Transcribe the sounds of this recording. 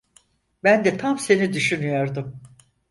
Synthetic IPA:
bænd̪ɛt̪ʰamse̞nid̪yʃynyjo̞ɾd̪um

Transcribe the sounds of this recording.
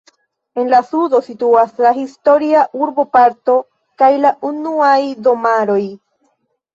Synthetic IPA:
e̞nlasudo̞situaslaɦisto̞ɾiaʔuɾbo̞paɾto̞ | kajlaʔunuajdo̞maɾo̞j

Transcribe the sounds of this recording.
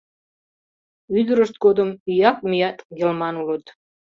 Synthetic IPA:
yd̪əɾəʃt̪̚ɡod̪əmijɑk̚mijɑt̪ɡʲelmɑnulət̪

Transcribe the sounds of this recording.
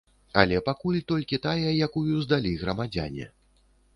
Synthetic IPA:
ɐlʲɛpakulʲt̪ɔlʲkʲit̪ajɐjakujuzd̪alʲiɣɾɐmad͡zʲa̰nʲɛ̰

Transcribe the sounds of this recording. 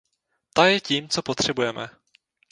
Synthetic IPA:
t̪ajɛciːmt͡so̞po̞t̪r̝̥ɛbujɛmɛ

